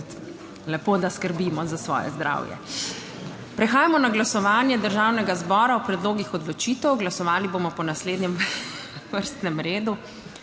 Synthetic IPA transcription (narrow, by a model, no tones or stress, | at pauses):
lɛpod̪askəɾbiːmɔzasʋɔ̰ːjɛ̰zd̪ɾa̰ːwjɛ̰ | pɾɛxaːjamɔnaɡlasɔʋaːnjɛd̪əɾʒaːwnɛɡazbɔːɾaɔpɾɛd̪loːɡixɔd̪lɔt͡ʃiːt̪ɛwɡlasɔʋaːliboːmɔpɔnasleːd̪nɲɛm | ʋəɾst̪nɛmɾeːd̪u